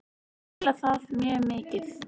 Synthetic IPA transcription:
laθaðmjɛːmɪːcɪθ

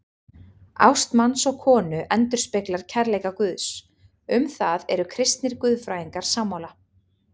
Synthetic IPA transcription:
a̰wst̪mansɔɣkʰɔːnʏʔɛnt̪ʏɾ̥spɪklaɾ̥cʰɛɾleːjkakvʏːðs | ʏmθaðɛɾʏkʰɾɪst̪nɪɾ̥kʏðfɾaːjiŋkaɾ̥saːmawla

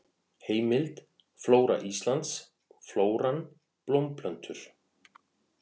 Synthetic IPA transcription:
heːjmɪlt̪ | floːwɾa̰ʔist̪lant̪s | floːwɾan | plowmpʰlœnt̪ʏɾ̥

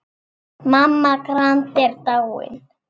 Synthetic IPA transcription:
mamːakɾãnt̪eɾt̪awḛn

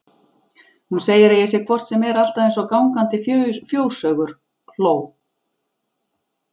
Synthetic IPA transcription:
hunseːjɪɾɪjɛsjɛkʰvɔr̥t̪sɛmɛɾal̥t̪aðẽjnsɔkawŋkant̪ɪfjfjoːwsœɣʏɾ̥ | l̥oːw

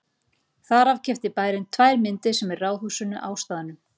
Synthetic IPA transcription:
θaɾav̥cʰɛft̪ɪpaːjɾɪnt̪ʰvajɾmɪnt̪ɪsɛmɛrraːwðhuːsʏnːʏʔaːwst̪aːðanʏm

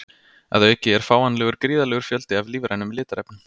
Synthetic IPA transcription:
ɛ̰ðaɛhcːɪɛɾ̥faːwanlɛːɣʏɾkɾiːðalɛːɣʏɾ̥fjœlt̪ɪavliːvɾʔajnːʏmlɪːt̪aɾɛpnʏm

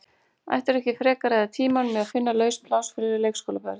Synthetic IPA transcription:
a̰jht̪aɾɛhcɪfɾɛːkaɾajðat̪ʰiːmanmɛðaðfɪnːalœːɥspʰlawsfɪɾɪɾɪɾleːjkskowlapɛɾ

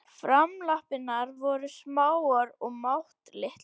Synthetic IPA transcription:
fɾamlahpɪnːaɾvɔɾʏsmaːwaɾɔɣmawht̪lɪht̪

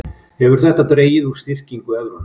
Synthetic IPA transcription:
hɛvʏɾ̥θɛht̪ːat̪ɾeːjɪðu̥st̪ɪr̥ciŋkʏɛðɾʏn

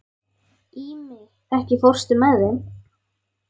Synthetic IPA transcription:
imɪ | ɛhcɪfowr̥st̪ʏmɛðɪn

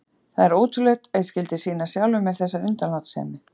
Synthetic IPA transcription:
θaðɛɾowt̪ʰʏɾlɛt̪ɛðscɪlt̪ɪsiːnasjawlʏmːɛɾ̥θɛsːaʏnt̪anawt̪sɛ̰ːmɪ

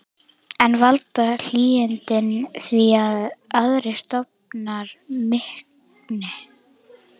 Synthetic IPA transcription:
ɛnvalt̪al̥iːɪnt̪ɪnθviaðœðɾɪst̪ɔp̚naɾmɪhk | nɪ

